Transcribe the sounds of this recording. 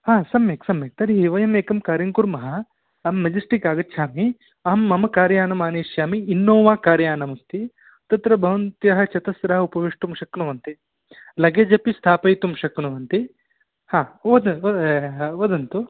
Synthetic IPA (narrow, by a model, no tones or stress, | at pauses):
haːsɐmjeksɐmjek̚t̪ɐɾiɦiʋɐjɐmeːkɐmkaːɾjɐŋkuɾmɐɦɐ | ɐmːɐd͡ʒisʈikaːɡɐːt͡ʃʰaːmi | ɐɦɐmːɐmɐkaːɾjaːnɐmaːneːʃjaːmiːnːoːʋaːkaːɾjaːnɐmust̪i | t̪ɐt̪ɾɐbʱɐʋɐnt̪jɐɦɐ̆t͡ʃɐt̪ɐsɾɐɦɐupɐʋiʂʈumʃɐknuʋɐnt̪i | lɐɡed͡ʒɐpist̪ʰaːpɐjt̪umʃɐknuʋɐnt̪i | haːʋɐd̪ɐɐʋɐd̪ɐnt̪u